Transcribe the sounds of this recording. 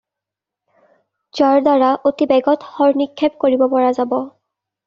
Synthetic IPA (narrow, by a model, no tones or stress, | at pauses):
zaɹdaɹaʔotibɛɡɔtxɔɹnikʰːɛp̚koɹibɔpɔɹazabɔ